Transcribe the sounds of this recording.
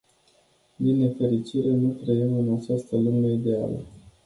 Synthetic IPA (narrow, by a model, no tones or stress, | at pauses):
d̪inːe̞fe̞ɾit͡ʃiɾe̞nut̪ɾəjimɨnat͡ʃast̪əlumeid̪e̞a̰lə̰